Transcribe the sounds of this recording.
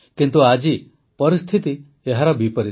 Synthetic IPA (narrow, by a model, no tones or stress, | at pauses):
kint̪uad͡ʒi | pɔɾist̪ʰit̪i | eɦaɾɔbipɔɾi